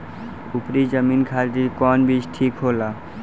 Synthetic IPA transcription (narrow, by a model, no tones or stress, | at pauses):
upɾid͡ʒəmiːnkʰaːd̪ikɔːnbʱit͡ʃʈʰiːkɦoːlaː